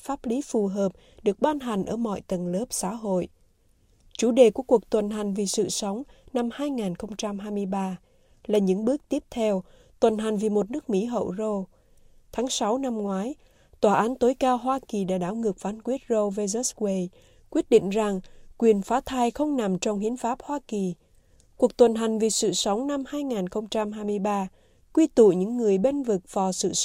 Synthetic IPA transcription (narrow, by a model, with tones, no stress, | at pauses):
faː˦˥p̚li˨˦fu˨˩ɦəː˨˩p̚ | ɗɨ˨˩ək̚ɓaː˧nɦa˨˩jŋ̟ʔəː˧˩mɔ̰˧˨jt̪ə˨˩nləː˦˥p̚sa̰ː˧˥ɦo̰˧˨j | t͡ɕu˧˩ɗe˨˩ku˧˩əku˨˩ək̚t̪wə˨˩nɦa˨˩jŋ̟vi˨˩sɨ̰˧˨sə˨˦wŋ͡mna˧mhaː˧jŋaː˨˩nxə˧wŋ͡mt͡ɕa˧mɦaː˧jmɨ˧əjɓaː˧ | laː˨˩ɲɨ̰˧˥ŋɓɨ˦˥ək̚t̪i˦˥əp̚t̪ʰɛ˧w | t̪wə˨˩nɦa˨˩jŋ̟vi˨˩mo˨˩t̚nɨ˦˥k̚mḭ˧˥ɦə̰˧˨wzo˧ | t̪ʰaː˨˦ŋsa˨˦wna˧mŋwaː˨˦j | t̪waː˨˩ʔaː˨˦nt̪o˨˦jkaː˧wɦwaː˧ki˨˩ɗa̰ː˧˥ɗaː˧˩wŋɨ˨˩ək̚faː˨˦nkwi˦˥ət̚zo˧ve˧zɛ˦˥swe˧j | kwi˦˥ət̚ɗḭ˧˨ŋ̟za˨˩ŋkwi˨˩ənfaː˨˦t̪ʰaː˧jxə˧wŋ͡mna˨˩mt͡ɕɔ˧wŋ͡mhi˨˦ənfaː˦˥p̚hwaː˧ki˨˩ | ku˨˩ək̚t̪wə˨˩nɦa˨˩jŋ̟vi˨˩sɨ̰˧˨sə˨˦wŋ͡mna˧mhaː˧jŋaː˨˩nxə˧wŋ͡mt͡ɕa˧mɦaː˧jmɨ˧əjɓaː˧ | kwi˧t̪ṵ˧˨ɲɨ̰˧˥ŋːɨ˨˩əjɓe˧nvɨ˨˩k̚v̥ɔ˨˩sɨ̰˧˨